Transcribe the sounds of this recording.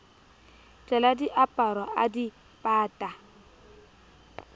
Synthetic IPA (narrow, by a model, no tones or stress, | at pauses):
t͡ɬʼɛladiʔapʼaɾwaʔadi | pʼaːtʼa